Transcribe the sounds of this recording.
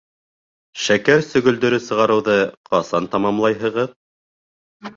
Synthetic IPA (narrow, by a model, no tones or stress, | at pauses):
ʃækæɾsɵ̆ɡɵ̆ld̪ɵ̆ɾɘsɤ̆ʁɑɾɤ̆wðɤqɑsɑnt̪ɑmɑmlˠɑjɦɤ̆ʁɤð